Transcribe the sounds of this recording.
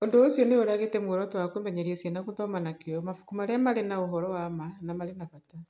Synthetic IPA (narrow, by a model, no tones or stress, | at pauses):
ondoosjɔneoɾaɣetemwoɾɔtwakwemɛɲeɾiesienakuðɔmanakejɔmafu̥kumaɾeamaɾenaoɦɔɾɔwamanamaɾenakata